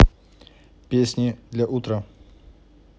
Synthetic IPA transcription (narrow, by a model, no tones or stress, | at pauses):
pʲesʲnʲɪd̪lʲaʔut̪ɾə